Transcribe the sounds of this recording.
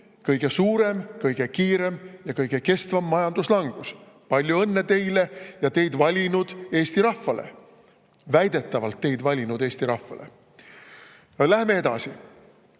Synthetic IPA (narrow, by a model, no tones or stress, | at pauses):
kɤjɡ̥e̞suːɾe̞mkɤjɡ̥e̞kiːɾe̞mjɑkɤjɡ̥e̞ke̞st̪vɑmːɑjɑnd̪̥uslɑŋɡ̥us | pɑlʲjuɤnːe̞t̪e̞jle̞jɑt̪e̞jd̪vɑlʲinud̪̥e̞ːst̪iɾɑfːɑlḛ | væjd̪̥e̞t̪ːɑvɑlt̪ːe̞jd̪̥vɑlʲinud̪e̞ːst̪iɾɑhfɑ̰le̞̰ | læhme̞e̞d̪̥ɑ̰si